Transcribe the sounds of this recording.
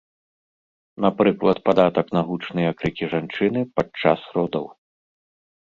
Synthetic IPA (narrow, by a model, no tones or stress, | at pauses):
napɾɨklˠɐt̪pad̪at̪ɐknaɣut͡ʂnɐjɐkɾɨkʲiʐant͡ʂɨnɨpat͡ʂːa̰sɾɔd̪ɐw